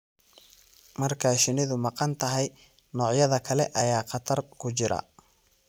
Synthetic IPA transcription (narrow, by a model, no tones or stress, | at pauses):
mɐrkʰaʃɪnɪðʊmɑqɑnt̪ʰɐɦɛj | nɔːʕjɐðɐkʰɐlɛʔɐjaːqɑt̪ʰɐrkʰʊt͡ʃɪɾɐ̰